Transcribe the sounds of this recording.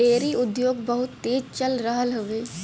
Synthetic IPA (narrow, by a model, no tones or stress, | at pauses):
eːɾiʊd̪joːɡbəɦʊt̪ːeːd͡ʒt͡ʃəlɾəɦəlɦoʋeː